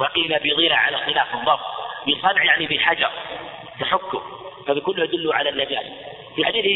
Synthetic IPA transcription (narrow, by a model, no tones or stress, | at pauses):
wɑqiːlabɪjðˤiːlaʕa̰laxɪlaːfɨdˤɑfˤbisˤɑnʕjaʕnibɪħad͡ʒɑɾˤ | t̪aħʊkːʊfabɪkʊlːʊhʔad̪ʊlːʊʕalanːad͡ʒa̰ːs | fiħad̪iːθ